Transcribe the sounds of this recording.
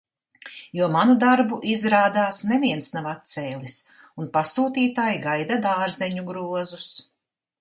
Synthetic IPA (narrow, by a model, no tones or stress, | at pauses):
juɔmanud̪aɾbuʔizɾaːd̪aːsnɛviɛnsnavat̪̚t̪sɛːlʲˠis | unpasuːt̪iːt̪aːjɡajd̪ad̪aːɾzɛɲuɡɾuɔzus